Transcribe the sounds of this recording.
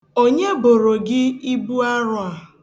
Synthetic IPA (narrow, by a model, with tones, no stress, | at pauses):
o˦ɲe˦bo˨ɾo˨ɡɪ˦i˦bu˦a˦ɾʊ˨a˨